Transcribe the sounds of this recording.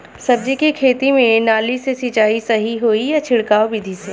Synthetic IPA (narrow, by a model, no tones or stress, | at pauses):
sɐb̚d͡ʒekikʰeːt̪imẽnaːlisesɪt͡ʃaːisɐɦiɦoːijat͡ʃʰɪɽkaːobid̪ʱiseː